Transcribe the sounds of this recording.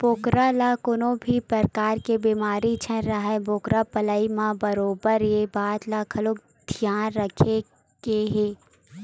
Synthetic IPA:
boːkɾalaːkʊnõbʱipɾəɾkaːɾkebiːmaːɾit͡ʃʰɛ̃ɾaɦɛboːkɾapəlaːimãbəɾoːbəɾjebaːt̪lakʰɐloːk | d̪̥ʱjaːnɾəkʰe | ɡ̥eɦeː

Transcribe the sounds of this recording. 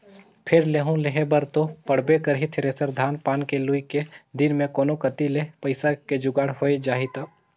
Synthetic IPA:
pʰɪɾleːɦũleɦebəɾt̪opəɽ̤bekəɾɦit̪ʰɪɾeːsəɾd̪ʱaːnpaːnkeluiked̪ɪnmẽkoːnokət̪ilepəɪsaked͡ʒʊɡaːɽɦoːed͡ʒaːɦit̪aː

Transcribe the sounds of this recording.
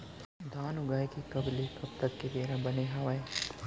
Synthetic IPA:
d̪ʱaːnʊɡaːikikɐbleːkɐbt̪ɐkkebeːɾabɐneɦɐʋaːe

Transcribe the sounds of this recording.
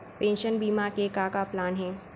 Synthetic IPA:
pẽːnʃənbiːmakekaːkaplaːnɦɛ̃ː

